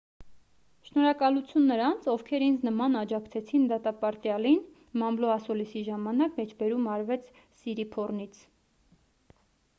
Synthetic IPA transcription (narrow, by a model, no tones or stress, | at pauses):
ʃnɔɾɑkɑlut͡sʰjunːəɾɑnt͡sʰɔfkʰɛɾind͡znəmɑnɑd͡ʒɑkt͡sʰɛt͡sʰind̪ɑt̪ɑpɑɾt̪jɑlin | mɑmblɔɑsulisiʒɑmɑnɑkmɛt͡ʃʰbɛɾumɑɾvɛt͡sʰ | siɾipʰɔrnit͡sʰ